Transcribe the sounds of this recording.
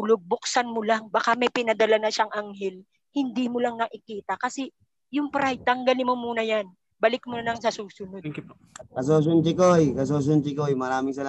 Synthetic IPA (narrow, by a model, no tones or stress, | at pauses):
loɡ̚bʊksanmolaŋbaːkamɛjpɪnɐd̪ɐlanɐʃaŋʔaŋhɛl | hɪnd̪imʊlaŋnɐʔɪkiːt̪ɐkɐsɛ | jʊŋpɾajt̪ɐŋɡɐlɪmomuːnɐjan | bɐlɪk̚monɐlɐŋsɐsuːsʊno | kɐs̬oːs̬ʊnt͡ʃɪkojkɐs̬oːs̬ʊnt͡ʃɪkojmɐɾaːmɪŋsɐl